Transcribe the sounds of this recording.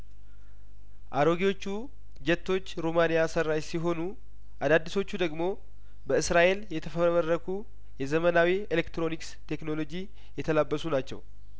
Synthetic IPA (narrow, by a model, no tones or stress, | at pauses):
ʔaɾo̞ɡiwo̞t͡ʃːu | d͡ʒɛt̪ːo̞t͡ʃːɾomanijasəɾajsiɦo̞nu | ʔad̪ad̪ːiso̞t͡ʃːud̪əɡmo̞ | bəɨsɾaʔe̞ljɛt̪ʰəfəmərːəkʰu | jɛzəmənawielekt̪ɾo̞nikst̪ʰe̞kno̞lo̞d͡ʒi | jɛt̪ʰəlabːəsunat͡ʃːɛ̰w